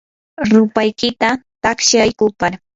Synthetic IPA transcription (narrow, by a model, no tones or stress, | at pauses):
ɾʊpajkɪt̪at̪akʃajkʊpaɾ